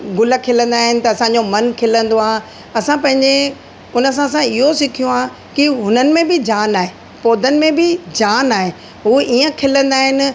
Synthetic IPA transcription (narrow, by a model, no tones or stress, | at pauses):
ɡʊlə̆kʰɪlə̃n̆d̪aːɦɪnɪ̆t̪ɐɐsãːɲ̆d͡ʑomɐnkʰɪlə̃nd̪oãː | ɐsãpɐ̃ɦɪ̃ɲd͡ʑe | ʊnəs̬ãsãɪɦosɪkʰijõãː | kiɦʊnənɪ̆mẽbɪd͡ʑaːnaːɦe | poːd̪ʱənɪ̆mẽbɪd͡ʑaːnaːɦe | ɦuːʔiːə̃kʰɪlə̃nd̪aːɦɪnɪ̆